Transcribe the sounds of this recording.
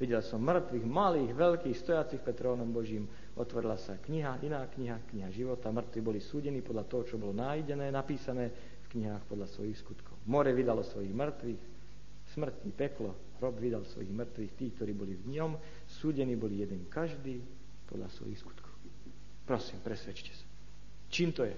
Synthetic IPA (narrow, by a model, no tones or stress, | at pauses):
ʋiɟɛlsɔmːr̩t̪ʋiɣmaliːɣʋɛʎkiːxst̪ɔjat͡sixpɛt̪ɾɔːnɔmbɔʒiːm | ʔɔt̪ʋɔɾilasakɲiɦaʔinaːkɲiɦakɲiɦaʒiʋɔt̪amr̩t̪ʋibɔlisuːɟɛniːpɔd̪ʎat̪ɔɦɔt͡ʃɔbɔlɔnajɟɛnɛːnapiːsanɛː | fkɲiɦaːxpɔd̪ʎasʋɔ̰jixskut̪kʰɔʊmɔɾɛʋid̪alɔsʋɔjiɣmr̩t̪ʋiːx | smr̩cipɛklɔ | ɾɔbʋid̪alsʋɔ̰jiɣmr̩t̪ʋiːxt̪iːk̚t̪ɔɾiːbɔlivɲɔm | suːɟɛniːbɔlijɛd̪ɛŋkaʒd̪iː | pɔ̰d̪lʎa̰sʋɔ̰jixsku̥t̪kʰɔ̥ʊ | pɾɔsiːmpɾɛsʋɛt͡ʃcɛ̥sḁ | t͡ʃiːmt̪ɔjɛ